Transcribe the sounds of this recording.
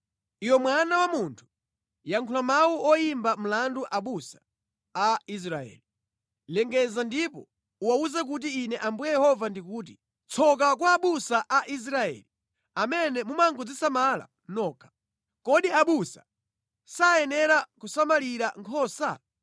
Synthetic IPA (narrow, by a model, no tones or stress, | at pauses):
ijɔmwanawamuntʰu̥ | jaŋkʰulamawuʔɔjimbam̩landuʔaɓusḁ | ais̬ɾaɛ̰ːli | lɛŋɡɛzandipɔ | uwauzɛk̬ut̬iːnɛʔambujɛjɛhɔvandikuːt̬i | t͡sʰɔk̬ak̬waːɓusaʔaʔis̬ɾaɛ̰ːli | amɛnɛmumaŋɡɔd͡zisamala̰ | nɔːkʰḁ | kɔɗiaɓusa̰ | sajɛnɛɾakusamaliɾaŋkʰɔːsa